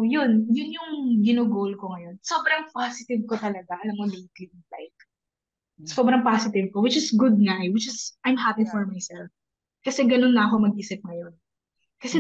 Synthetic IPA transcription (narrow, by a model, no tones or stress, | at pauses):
jʊnjʊnjʊŋɡɪnoɡolkoŋɐjo̞nsobɾɐŋpasɪt̪ɪvkot̪ɐlɐɡaʔɐnɐmomet̪lɪt̚ɪnflajt̪̚ | sobɾɐŋpasɪt̪ɪvkowɪt͡ʃɪsɡʊd̪̚nawɪt͡ʃɪsʔajmɦapiŋfɔɹmajsɛlf | kɐsɛɡɐno̞nːɐːko̞mɐɡ̚ʔisɪp̚ŋɐjon | kɐsɛ